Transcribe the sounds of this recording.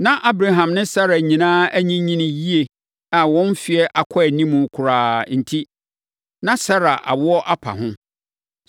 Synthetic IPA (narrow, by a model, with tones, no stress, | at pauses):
nã˦ʔa˦bɾa˨ɦã˨mnɪ̃˦sa˦ɾa˨ɲĩ˨nãː˦æ˦ɲĩ˦ɲĩ˦nɪ̃˨ji˦e˨ | a˨wɔ̃˦nfɪ˨ɛ˦ʔa˨kʷʰɔ˦ɛ˨nĩ˦mũ˨˦kʰʊ˨ɾaː˨n̩˨tʰi˦ | nã˦sa˦ɾa˨ʔa̰˨wʊ˦ɔ˦ʔa˦pʰa̰˨ɦʊ̃˦